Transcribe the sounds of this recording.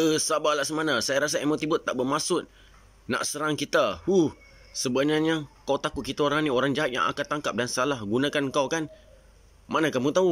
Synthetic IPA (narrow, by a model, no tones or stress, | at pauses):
əhsabalaʔsəmanasajaɾas̬aemat̪ibʊt̪ːaʔbəmasʊt̪̚ | na̰ʔsəɾaŋkit̪ahuh | səbənaɲakawt̪akuʔ̚kit̪aoɾaŋnioɾaŋd͡ʒaɦat̪̚ja̰ŋʔa̰kat̪aŋkap̚dansalahɡunãkankawkan | manakamut̪au